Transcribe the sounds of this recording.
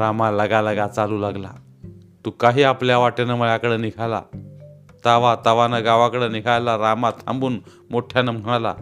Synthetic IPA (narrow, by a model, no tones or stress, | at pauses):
ɾamaləɡaləɡat͡saluːlaɡla̰ | t̪uːkaɦiːapljaʋaʈenaməɭjakəɽenikʰala̰ | t̪aʋat̪aʋanaɡaʋakəɽeniɡʱajlaɾamat̪ʰã̰mbuːn | moʈʰjanam̤əɽ̃ala̰